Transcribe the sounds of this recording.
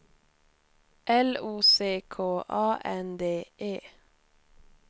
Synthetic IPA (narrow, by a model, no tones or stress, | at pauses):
ʔɛluːseːkʰoːʔɑːʔɛnd̪eːʔeː